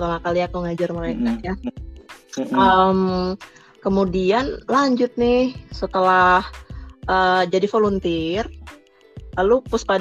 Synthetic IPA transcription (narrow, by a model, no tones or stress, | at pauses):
t̪amakaliakuŋad͡ʒarməɾekaja | ʔəm | kəmudianlaɲd͡ʒʊt̪̚nɪhsət̪əlahʔəd͡ʒadifolunt̪ɪr | lalupʊspad